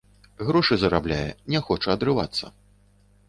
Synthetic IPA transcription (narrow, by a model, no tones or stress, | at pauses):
ɣɾɔʂɨzɐɾablʲajɛ̰nʲɛxɔt͡ʂɐɐd̪ɾɨvat̪sːɐ